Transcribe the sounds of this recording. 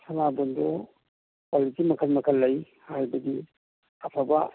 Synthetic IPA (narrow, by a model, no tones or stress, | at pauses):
sʰɐnabɔndɔ | palitimɐkʰəlmɐkʰɐlːɐj | hajbɐdi | ɐpʰaba̰